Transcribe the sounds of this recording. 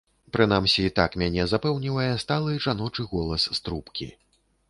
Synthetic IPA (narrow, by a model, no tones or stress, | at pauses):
pɾɨnamsʲiːt̪akmʲanʲɛzapɛwnʲivɐjɛst̪alˠɨʐanɔt͡ʂɨɣɔlˠɐsːt̪ɾupkʲḭ